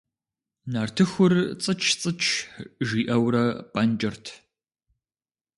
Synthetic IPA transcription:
naːrtʰɨxʷʊrt͡sʼɨt͡ʃʰt͡sʼɨt͡ʃʰʒiːʔɐwɾɐpʼɐnd͡ʒʼɐrtʰ

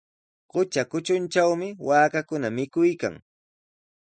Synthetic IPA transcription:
ɢʊt͡ʃakʊt͡ʃʊnt͡ʃawmɪwaːkakʊnamɪkʊjka̰ŋ

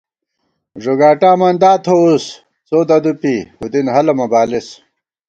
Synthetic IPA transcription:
ʐoɡaːʈaːmɐnd̪aːt̪ʰous | t͡soːd̪ɐd̪upihud̪inɦɐlɐmɐbaːlis

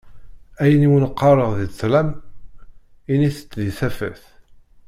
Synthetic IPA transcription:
æjəniwənəqːɑɾˤəʁðiθlæm | iniθə̥t͡sːðiθæfə̰θ

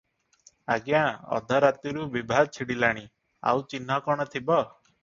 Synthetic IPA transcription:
a̰ɡjãɔ̰d̪ʱaɾat̪iɾubibʱaɡt͡ʃʰiɽilaɽ̃i | a̰wt͡ʃinɦɔkɔɽ̃ɔt̪ʰibɔ

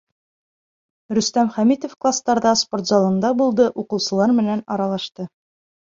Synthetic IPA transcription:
ɾɵ̆st̪æmχæmit̪ofklˠast̪ɑɾðɑsport̪zɑlˠŏnd̪ɑbulˠd̪ɤʔuqɤ̆wsɤ̆lˠɑɾmɘ̆nænɒɾɑlˠɑʃt̪ɤ

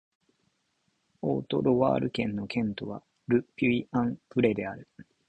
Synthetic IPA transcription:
oːt̪o̞̰ɾo̞βa̰ːɾɯ̟kẽ̞nːo̞kʰẽ̞nt̪o̞βa̰ | ɾɯ̟pʲiiãmpɯ̟ɾe̞d̪e̞aɾɯ̟

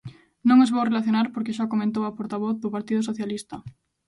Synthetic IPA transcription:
nõŋozβowrelaθjonaɾpoɾkɪʃ̬akomẽnt̪̬owɐpoɾt̪aβɔθðʊpaɾt̪iðʊs̬oθjalist̪ɐ

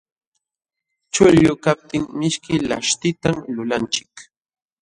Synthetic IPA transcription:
t͡ʃʊʎʊkap̚t̪ɪŋmɪʃkɪla̰ʃt̪ɪt̪amlʊlant͡ʃɪ̥k

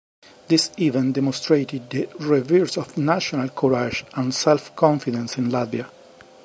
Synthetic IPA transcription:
d̪isivɛ̃ndɛmɔ̃nst̪ɹet̪id̪d̪əɹɛviɹsɔvnaʃɔnalkʰɔɹad͡ʒãnsɛlfkʰɔ̃ɱfid̪ɛ̃nsĩnlat̪bia

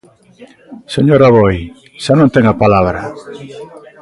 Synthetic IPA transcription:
seɲoɾaβoj | ʃanõnt̪eŋapalaβɾa

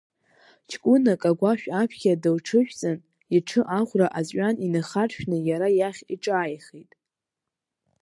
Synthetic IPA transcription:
t͡ʃʰkʷʼʊnakʼaɡʷaʃᶣapʰkʲadɨlʈ͡ʂʰɨʃᶣt͡sʼɨn | iʈ͡ʂʰɨʔaʁʷraʔazʼɥaninaχarʃᶣnɨjaɾajaχʲiʈ͡ʂʼaːjχejtʼ

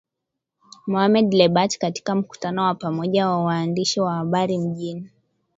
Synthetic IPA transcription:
mɔhamɛdlɛɓatkati̥kam̩ku̥tanɔwapamɔʄawawaːndiʃiwahaɓaɾim̩ʄini

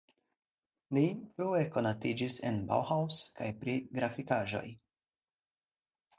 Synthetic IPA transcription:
lifɾue̞ko̞natid͡ʒise̞̰nba̰whawska̰jpɾiɡɾafikaʒo̞̰j

